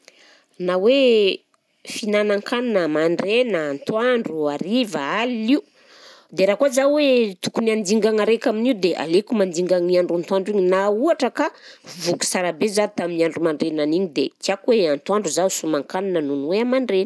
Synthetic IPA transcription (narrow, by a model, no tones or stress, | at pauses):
nawe | finanaŋkananəmaɳɖ͡ʐenəːnt̪waɳɖ͡ʐuaɾivaaliliu | d̪eɾakazawet̪ukunand̪iŋɡaŋaɾekaminiud̪eʔa̰lekumand̪iŋɡaŋiaɳɖ͡ʐant̪uaɳɖ͡ʐiɲinauaʈ͡ʂəkavuku̥saɾabezat̪aminiaɳɖ͡ʐumaɳɖ͡ʐenaniɲid̪ekiakweant̪waɳɖ͡ʐuzausumaŋkananənunweamaɳɖ͡ʐenə̥